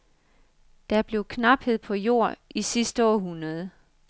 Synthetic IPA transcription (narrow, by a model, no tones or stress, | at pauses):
d̥ɑ̈ɐb̥le̝ʊkʰnɑ̈b̥he̝ð̞̰ˠpʰɒ̽jo̝ɐ̰ʔisisd̥əɒ̰ːɦunɐð̞̩ˠ